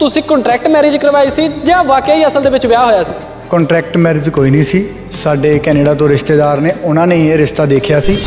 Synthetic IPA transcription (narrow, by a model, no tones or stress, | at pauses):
t̪ʊsĩːkɔ̃ːɳʈɾɛːk̚ʈmɛːɾeːd͡ʒkəɾʋaːiːsiːd͡ʒãːʋaːkjaːiːəsəld̪eːʋɪt͡ʃʋɪjaːɦoːjaːsiː | kɔ̃ːɳʈɾɛːk̚ʈmɛːɾeːd͡ʒkoːiːnĩːsiː | saːɖeːkɛːneːɖaːt̪õːɾɪʃt̪eːd̪aːɾneːʊnãːnẽːeːɾɪst̪aːd̪eːkʰjaːsiː